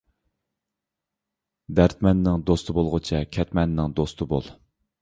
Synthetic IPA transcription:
d̪æɾt̪mɛnːɪŋd̪ost̪ʰɨbolˠʁʊt͡ʃʰɛkʲʰɛt̪mɛnːɪŋd̪ost̪ʰɨbo̰lˠ

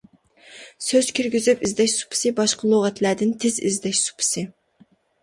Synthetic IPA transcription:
søz̥kʲʰyɾɡʲyzypizd̪ɛʃsu̥pʰɨ̥sɨbɑʃqʰəlˠoʁɛt̪læɾd̪ɪnt̪ʰɪzḭzd̪ɛʃsu̥pʰɨ̥sɨ

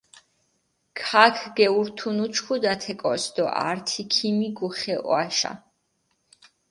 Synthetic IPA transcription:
kʰakʰɡɛuɾt̪ʰunut͡ʃʰkʰud̪at̪ʰɛkʼɔsd̪ɔʔa̰ɾt̪ʰikʰimiɡuχɛʔɔ̰aʃa̰

